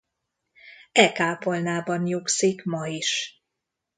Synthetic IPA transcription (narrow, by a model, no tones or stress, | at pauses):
ɛkaːpolnaːbɒnjuksikmɒiʃ